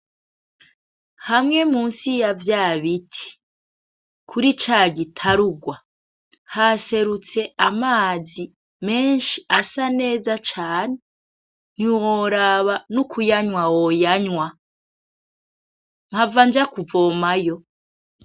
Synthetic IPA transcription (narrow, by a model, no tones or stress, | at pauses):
hamŋe̞muːnsijavjaːβitʰi̥ | kʰuɾit͡ʃaːɡitʰaɾuɡwa | hase̞ɾut͡se̞ʔamaːzi | me̞ːnʃiasane̞ːzat͡ʃaːne | n̥iwoɾaβanukʰujaɲwawojaɲwa | mhavand͡ʒakuvo̞ːmajo̞